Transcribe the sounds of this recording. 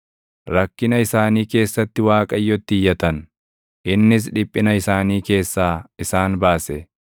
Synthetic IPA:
ɾɐkːɪnɐɪsaːniːke̞ːsːɐt̪ːɪwaːkʼɐjːɔt̪ːɪjːɐt̪ɐn | ʔɪnːɪs̬ᶑɪpʼːɪnɐɪsaːniːke̞ːsːaːɪsaːnbaːsɛ

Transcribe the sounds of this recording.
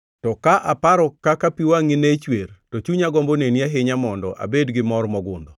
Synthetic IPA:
tɔkaʔapaɾɔkakapiwaŋinet͡ʃwertot͡ʃuɲaɡɔmboneniaɦɪɲamɔndɔʔa̰bedɡɪmɔrmɔɡʊnd̪ɔ

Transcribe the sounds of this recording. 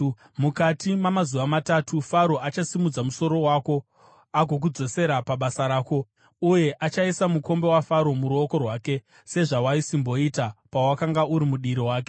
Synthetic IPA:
mukatimamazuʋamatatʰufaɾo̞ʔat͡ʃasimud͡zamuso̞ɾo̞waːko̞ | aɡʱo̞k̬ud͡zo̞se̞ɾapaɓasaɾaːko̞ | uje̞ʔat͡ʃaisamuko̞mbe̞wafaɾo̞muɾuoko̞rwaːke̞ | se̞ʐawaisimbo̞itapawakaŋɡauɾimuɗiɾiwaːk̬e

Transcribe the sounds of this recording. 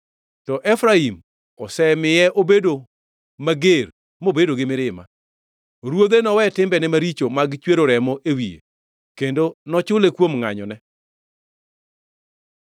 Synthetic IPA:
tɔʔɛfɾaim | ɔsɛmɪjɛʔobedo | maɡeɾ | mobedoɡɪmɪɾɪma̰ | ɾwod̪enɔwɛtɪmbɛnɛmaɾit͡ʃomaɡt͡ʃweɾoɾɛmɔʔewijḛ | kendonɔt͡ʃʊlekwomŋa̰ɲɔ̰nɛ

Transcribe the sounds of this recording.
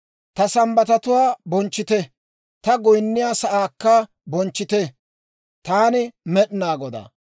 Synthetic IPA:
t̪ɐsɐmbɐt̪ɐt̪ʊwaːbɔnt͡ʃːɪt̪ɛ | t̪ɐɡɔjnːɪjaːsɐʔaːkːɐ | bɔnt͡ʃːɪt̪ɛ | t̪aːnɪmɛɗnaːɡɔd̪a̰ː

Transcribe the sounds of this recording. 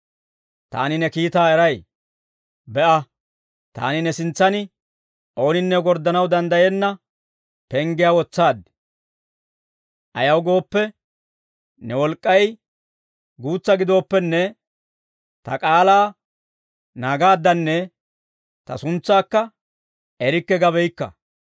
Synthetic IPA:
t̪a̰ːnɪnɛkiːt̪aːɛɾɐj | bɛʔɐ | t̪a̰ːnɪnɛsɪnt͡sːɐnɪ | ʔo̞ːnɪnːɛɡɔɾd̪ɐnɐwd̪ɐnd̪ɐjenːɐ | pɛŋɡɪjaːwɔt͡sːaːd̪ɪ | ʔɐjɐwɡo̞ːpːɛ | nɛwɔlkʼːɐj | ɡuːt͡sːɐɡɪd̪o̞ːpːɛnːɛ | t̪ɐkʼaːlaː | naːɡaːd̪ːɐnːɛ | t̪ɐ̰sʊnt͡sːaːkːɐ | ɛɾɪkːɛɡɐbɛjkːɐ̰

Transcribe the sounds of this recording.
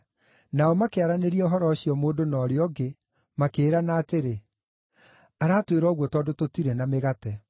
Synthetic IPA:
naɔmakeaɾaneɾiɛoɦɔɾɔːɕiɔmoːdonɔːɾeɔɡe | makeːɾanaːteɾe | aɾaːtweɾɔɣwɔtɔːdototiɾɛnameɣatɛ

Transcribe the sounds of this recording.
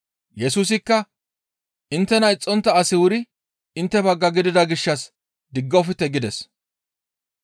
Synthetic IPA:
jɛsuːs̬ɪkːɐ | ʔɪnt̪ːɛnɐɪt͡sʼːɔnt̪ːɐːsɪwʊɾɪ | ʔɪnt̪ːɛbɐɡːɐɡɪd̪ɪd̪ɐɡɪʃːɐs | d̪ɪɡːɔfɪt̪ːɛɡɪd̪ɛs

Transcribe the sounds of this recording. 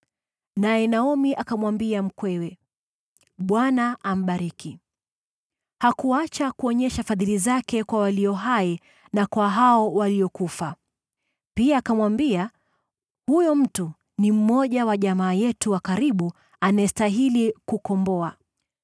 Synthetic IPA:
najɛnaɔmiʔakamwambiam̩kwɛwɛ | ɓwanaʔam̩ɓaɾiki | hakuat͡ʃakuɔɲɛʃafaðilizakɛkwawaliɔɦai | nakwaɦaɔwaliɔkufa | piaːkamwambia | hujɔm̩tu | nim̩mɔʄawaʄamaːjɛtuwakaɾiɓu | anajɛstaɦilikukɔmbɔa

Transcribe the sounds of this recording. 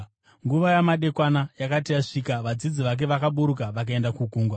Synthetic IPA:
ŋɡuʋajamaɗe̞kwanajakatijaʂiːkaʋad͡zid͡ziʋak̬e̞ʋakaɓuɾukaʋak̬ae̞ndakuɡʱuːŋɡwa

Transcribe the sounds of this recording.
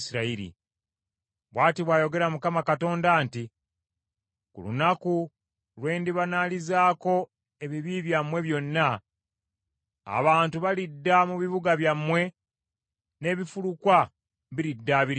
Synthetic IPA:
siɾaiɾḭ | βwaːtiβwaːjo̞ɡe̞ɾamukamakato̞ːndaːnti | kṵlṵnaku | lwe̞ːndiβanalizaːko̞ | e̞βiβiːβjamwe̞βjo̞nːa | a̰βaːntuβalidːamuβiβuɡaβjamːwe̞ | ne̞ːβifulukwa | βiɾidːaːβiɾ

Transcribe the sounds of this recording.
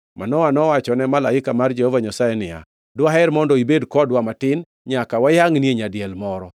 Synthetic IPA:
manɔwanɔwat͡ʃɔnɛmalaɪkamard͡ʒɛhɔvaɲasajɛnɪa̰ | dwaɦɛɾmɔndɔibedkɔdwamatɪn | ɲakawajaŋnieɲadɪɛlmɔɾɔ

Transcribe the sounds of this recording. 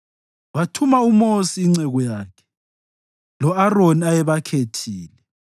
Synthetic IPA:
watʰumaumosiːŋ͡ǀɛɣɔjaːkʰɛ̥ | lɔaroniajɛβakʰetʰiːlɛ

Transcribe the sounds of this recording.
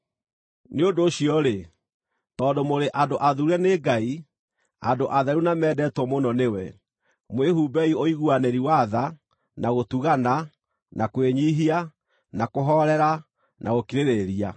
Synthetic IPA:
neondoːɕiɔɾe | tɔːndomoɾeʔadoʔaðuuɛneɡai | a̰doʔaðaɾunamɛːdɛːtwɔmonɔnewɛ | mweɦubɛioiɣuanɛɾiwaða | naɣotuɣana | nʔakweɲiɦia | nakoɦɔɾɛɾa | nʔaɣokiɾeɾeɾia

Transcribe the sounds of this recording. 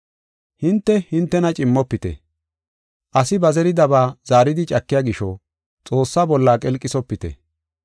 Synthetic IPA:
hɪnt̪ːɛhɪnt̪ːɛnɐt͡ʃʼɪmːɔpːɪt̪ɛ̰ | ʔɐsɪbɐzɛɾɪd̪ɐbaːz̥aːɾɪd̪ɪt͡ʃʼɐkːɪjaːɡɪʃɔ | t͡sʼo̞ːsːaːbɔlːaːkʼɛlkʼːɪsɔpːɪt̪ɛ̰

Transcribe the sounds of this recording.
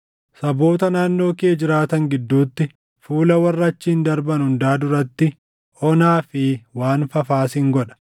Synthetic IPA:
sɐbo̞ːt̪ɐnaːnːo̞ːkeːd͡ʒɪɾaːt̪ɐŋɡɪd̪ːuːt̪ːɪ | fuːlɐwɐrːɐt͡ʃːiːnd̪ɐɾbɐnhʊnd̪aːd̪ʊɾɐt̪ːɪ | ʔɔnaːfɪwaːnfɐfaːsɪŋɡɔᶑɐ̥

